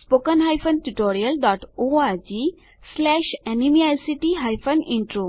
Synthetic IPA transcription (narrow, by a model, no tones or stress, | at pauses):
spokənɦajfənʈuʈoɾiəlɖɔʈoad͡ʑi | slɛɕɛnimiajsiʈiɦajfəniɳʈɾo